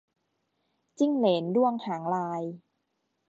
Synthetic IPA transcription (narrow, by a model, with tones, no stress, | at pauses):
t͡ɕi˥˩ŋleː˩˦ndu˥˩əŋt̪ʰaː˩˦ŋlaː˧j